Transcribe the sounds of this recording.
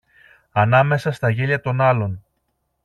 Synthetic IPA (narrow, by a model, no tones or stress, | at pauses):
ɐnɐme̞sɐst̪ɐʝeʎɐt̪o̞nɐlo̞n